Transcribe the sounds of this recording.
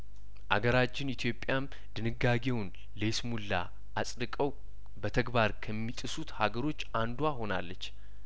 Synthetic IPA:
ʔa̰ɡəɾat͡ʃːɪnit̪ʰjo̞pʼːjam | d̪̥ɨnɨɡːaɡe̞wn | lesmulːa̰ | ʔasʼɾɨkʼəw | bət̪ʰəɡbaɾkʰəmːit̪ʼɨsut̪haɡəɾo̞t͡ʃːand̪uwaho̞na̰lːət͡ʃː

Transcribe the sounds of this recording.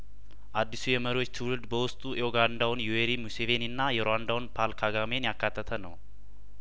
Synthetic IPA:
ʔad̪ːisujɛməɾio̞t͡ʃːt̪ʰɨwlɨld̪bəwʊst̪ʼuʔeoɡand̪awnjuweɾimuseveniɨnːajɛɾoand̪awnpʰalkʰaɡamenjakːat̪ʰːət̪ʰənəw

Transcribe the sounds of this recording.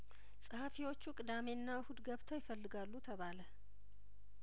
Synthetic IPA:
sʼəhafiwo̞t͡ʃːukʼɨd̪ameɨnːahud̪ɡəβt̪ʰəowjɪfəlːɨɡalːut̪ʰəβalə

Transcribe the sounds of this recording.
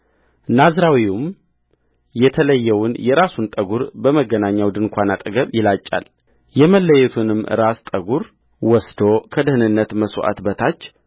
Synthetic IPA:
nazɾawium | jɛt̪ʰələjːɛwʊnjɛɾasunt̪ʼəɡuɾbəməɡənaɲːawd̪ɨnkʷʰanat̪ʼəɡəβjɪlat͡ʃʼːa̰l | jɛməlːəjɛt̪ʰunɨmːɨɾast̪ʼəɡuɾ | wɔsd̪o̞kʰəd̪ɨhɨnɨnːət̪məswʔa̰t̪bət̪ʰat͡ʃː

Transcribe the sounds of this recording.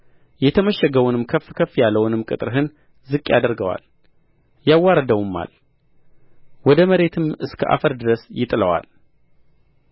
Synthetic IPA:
jɛt̪ʰəməʃːɛɡəwunɨmkʰəfːkʰəfːjalːəwnɨmkʼɨt̪ʼɨɾɦɨn | zɨkʼːjad̪əɾɡəwa̰l | jawːaɾəd̪əwumːa̰l | wɔd̪əməɾe̞t̪ʰɨmɨskʰəʔa̰fəɾd̪ɨɾəsjɪt̪ʼɨləwa̰l

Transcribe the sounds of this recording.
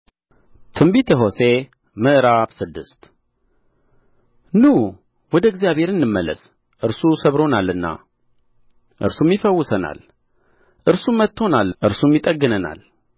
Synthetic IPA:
t̪ʰɨmbit̪ʰəɦo̞se̞ | mɨʔɨɾabsɨd̪ːɨst̪ | nu | wɔd̪əɨɡzijaβhe̞ɾɨnːɨmːəlːə̰s | ʔɨɾsusəβɾo̞nalːɨnːa̰ | ʔɨ̰ɾsumjɪfəwːʊsəna̰l | ʔɨɾsunmːət̪ʰːo̞nalʔɨɾsumjɪt̪ʼəɡːɨnəna̰l

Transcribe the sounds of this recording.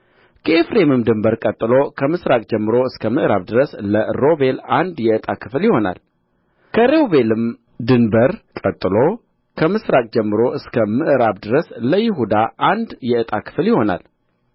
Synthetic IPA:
kʰəefɾe̞mɨmd̪ɨmbəɾkʼət̪ʼːɨlo̞kʰəmɨsɾakʼd͡ʒɛmːɨɾo̞ɨskʰəmɨʔɾa̰βd̪ɨɾəsləɾo̞be̞land̪jɛɨt̪ʼakʰɨ̥fljɪho̞na̰l | kʰəɾewβe̞lɨm | d̪ɨnbəɾkʼət̪ʼːɨlo̞ | kʰəmɨsɾakʼd͡ʒɛmːɨɾo̞ʔɨskʰəmɨʔɨɾaβd̪ɨɾəsləjɪɦud̪aʔand̪jɛɨt̪ʼakʰɨ̥fljɪho̞na̰l

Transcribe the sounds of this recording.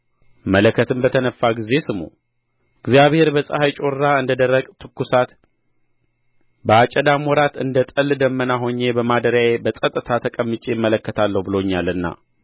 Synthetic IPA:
mələkʰːət̪ʰɨmbət̪ʰənəfːaɡize̞sɨmṵ | ɨɡzjaβhe̞ɾbəsʼə̰hajt͡ʃʼo̞ɾːaɨnd̪əd̪ərːəkʼt̪ʰɨkːusat̪ | bəat͡ʃʼəd̪amɔɾat̪ɨnd̪ət̪ʼəlːd̪əmːənaɦo̞ɲːe̞bəmad̪əɾjajebəsʼət̪ʼːɨt̪ʰat̪ʰəkʼəmːɨt͡ʃʼeɪmːələkːət̪ʰalːəhbɨlo̞ɲːalɨnːa̰

